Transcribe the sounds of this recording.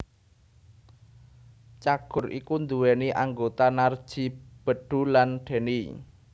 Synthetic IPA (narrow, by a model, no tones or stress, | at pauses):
t͡ʃaɡ̥ʊ̤rʔikund̪uwɛniʔaŋɡot̪anard̥ʒ̥i̤b̥ə̤ɖ̥ṳlanɖ̥e̤ni